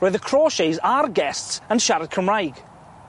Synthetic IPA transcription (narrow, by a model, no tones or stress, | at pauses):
ɹɛðəkʰɹ̥ɔːʃejzaɹɡɛstsə̃nʃaɾəd̚kʰəmɹajɡ